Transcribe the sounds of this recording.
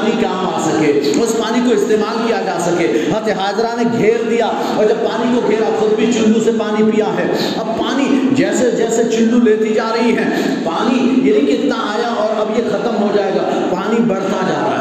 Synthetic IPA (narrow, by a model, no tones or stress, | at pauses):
nikaːmaːsɐkeːʊspaːnikoɪst̪eːmaːlkijad͡ʒaːsɐkeːɦɐt̪eɦaːzɾaneɡʱeːɾd̪ija | ɔːɾd͡ʒɐb̚paːnikoɡʱeːɾaxʊd̪̚bʱit͡ʃʊ̃nɖũsepaːnipijaɦɛː | ɐb̚paːnid͡ʒɛːsed͡ʒɛːset͡ʃʊ̃nɖũleːt̪id͡ʒaːɾɐɦiɦɛ̃ː | paːnijeɦikɪt̪naaːjaɔːɾɐbjexɐt̪əmɦod͡ʒaːeːɡa | paːnibɐɽ̤t̪ad͡ʒa̰ːɾa̰a